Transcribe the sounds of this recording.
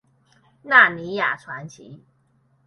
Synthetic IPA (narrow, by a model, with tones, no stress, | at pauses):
na˥˩ni˧˥ja̰˨˩ʈ͡ʂʰwa˧˥nt͡ɕʰḭ˧˦